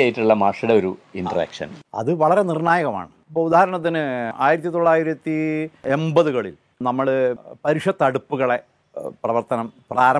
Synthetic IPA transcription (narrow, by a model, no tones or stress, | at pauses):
jiʈːuɭːɐmaːʂiɽeoɾuinɖɐrḛːkʂɐ̰nɐ̰ðɨʋɐɭɐɾe̞nirɳaːjɐɣɐma̰ːɳɨipːoud̪aːhɐɾɐɳɐt̪ːinɨa̰ːjiɾɐt̪ːit̪o̞ɭːaːjiɾɐt̪ːie̞mbɐðuɣɐɭḭl | nɐmːɐɭpɐɾuʂjɐt̪ːɐɽupːuɣɐɭe̞ | prɐʋɐrt̪ɐnɐmpraːɾɐ